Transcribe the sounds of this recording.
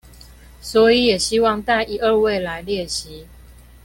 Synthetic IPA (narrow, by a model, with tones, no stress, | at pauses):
swɔ˨˦i˨˦jɛ˨˩ɕi˦wɑ˥˨ŋt̪a˥˨ɪʔi˨˧ʔə˥˧we˥˨ɪla˨˧˦ɪljɛ˥˨ɕi˨˦